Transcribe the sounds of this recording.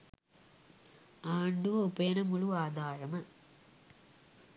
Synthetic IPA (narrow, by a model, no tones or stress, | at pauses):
aːɳɖɯʋɐʊpːɐjɐnɐmʊɭuaːd̪aːɾɐmɐ